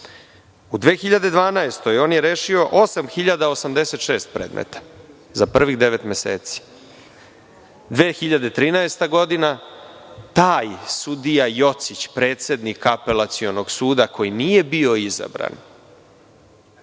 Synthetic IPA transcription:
ud̪ʋe̞ːxiʎad̪e̞d̪ʋaːnaest̪o̞jo̞ːnjeɾeːʃio̞ʔo̞samxiʎad̪aosamd̪e̞se̞t̪ʃe̞ːst̪̚pɾeːd̪mʔḛt̪ḁ | zapr̩ʋiɣd̪eʋe̞t̪mʲjesḛːt̪si̥ | d̪ʋeːxiʎad̪et̪ɾiːnaest̪aɡo̞d̪ina | t̪aːjsud̪ijajo̞t̪sit͡ɕpɾe̞ːt̪se̞d̪nikapelat̪sio̞noɡsuːd̪akʰo̞jinije̞bio̞iza̰bɾa̰n

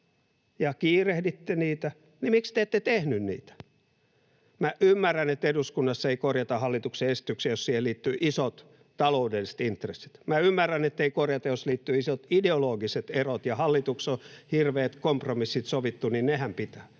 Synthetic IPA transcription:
jɑkiːrehdit̪ːeniːt̪æ | nimikst̪eːt̪ːet̪ehnynnḭːt̪æ̥ | mæʔymːærːænet̪ːeduskunːɑsːeikorjɑt̪ɑhɑlːit̪ukseesi̥t̪ykseːjossiːheliːt̪ːyʔisot̪ | t̪ɑloudelːisĕ̥t̪int̪resːi̥t̪mæymːærːænet̪ːeikorjɑt̪ɑjosliːt̪ːyisot̪ideoloːɡiset̪erot̪jɑhɑlːit̪uksohirʋeːt̪kompromisːit̪soʋit̪ːuninnehæmpit̪æː

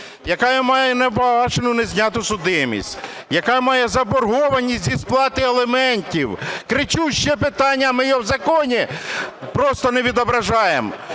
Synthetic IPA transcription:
jɐkɑjɐmɑjɛnɛwɑt͡ʃenʊnezʲnʲat̪ʊsʊd̪ɪmʲḭsʲtʲ | jɐkɑmɑjɛzɐbɔrɦɔʋɐnʲːisʲzʲisplˠɑt̪ɪelˠemɛnʲtʲiwkɾɪt͡ʃuʃt͡ʃɛpɪt̪ɑnʲːɐmɪjɔwzɐkɔnʲipɾɔst̪ɔneʋʲid̪ɔbɾɐʒɑjem

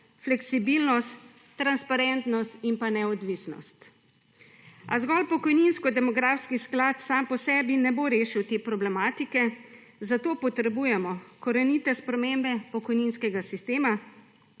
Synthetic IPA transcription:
flɛksibilnɔst̪ː | ɾanspaɾɛnt̪nɔst̪impanɛɔd̪ʋisnɔ̰st̪ | azɡɔlpɔkɔjninskɔd̪ɛmɔɡɾaːfskisklat̪sampɔsɛːbinɛboɾeːʃiwt̪eːpɾɔblɛmaːt̪ikɛ | zat̪oːpɔt̪ɾɛbujɛmɔkɔɾɛnit̪ɛspɾɛmembɛpɔkɔjninskɛɡasist̪eːma

